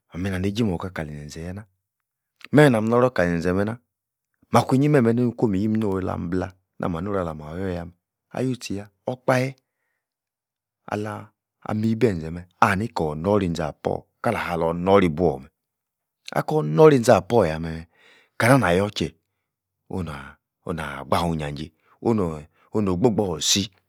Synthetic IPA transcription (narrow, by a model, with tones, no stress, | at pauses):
a˨mi˨na˨ne˨˦d͡ʒi˦mɔ˨ka˨˦ka˨li˨nɛ˨n̩˨zɛ˨jɛ˦na˦ | mɛ˦ɛ˨na˨m˦ɔ˦ɾɔ˦ka˨i˨ɛ˨ɛ˨mɛ˧˦na˦ | ma˨kʷi˦ɲi˦mɛ˦˨mɛ˨ne˦u˦˧˦ko˦mi˨ji˦mi˦o˦˨˧la̰˨m̩˦bla˧ | nʔa̰˨ma˨n˦o˦ɾa˨la˨ma˨jɔ˦˨ja˧mɛ˨ | a̰˨ju˦˨ti˨ja˧ | ɔ˦k͡pa˦jɛ˦ | a̰˨la˧ | a̰˨mi˦bɛ˦˨n˨zɛ˨mɛ˨a˨ni˦kɔ˨nɔ˦ɾi˧˨n˨za˨pɔ̰˦˨ | ka˦la˨ha˨lɔ˨nɔ˦ɾi˧bu˦ɔ̰˨mɛ˨ | a̰˨˦kɔ˦nɔ˦ɾi˦˨˦za˨pɔ˦˨ja˨mɛ˨mɛ˨ | ka˨na˦n˨a˨jɔ˦t͡ʃɛ˨ | o̰˦na˨ | o˨na̰˨ɡ͡ba˦˨hu˨˧˨ɲa˨d͡ʒe˨ | o˦n˨ | o˦no˨ɡ͡bo˦˨ɡ͡bɔ˦˨si˦